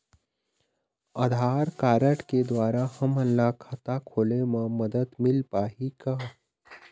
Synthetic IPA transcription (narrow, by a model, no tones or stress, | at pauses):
əd̪ʱaːɾkaːɾəʈked̪ʋaːɾahɐməlːakʰat̪akʰoːlemə̃məd̪əd̪mɪlpaːɦika